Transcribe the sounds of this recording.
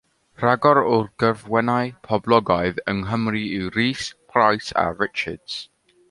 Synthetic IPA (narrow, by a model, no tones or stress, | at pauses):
raɡɔɾʊrɡ̥əvwɛnajpʰɔblˠɔɡɔɨðəŋɦəmriiɾiːspʰrajsa̰ɹɪt͡ʃə̰d̥z̥